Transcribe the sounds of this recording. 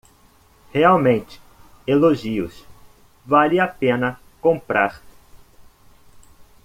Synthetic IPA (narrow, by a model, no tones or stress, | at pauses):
heawmẽnt͡ʃɪ̥ | eloʒiʊ̰s | valɪapẽnɐ | kõmpɾaɾ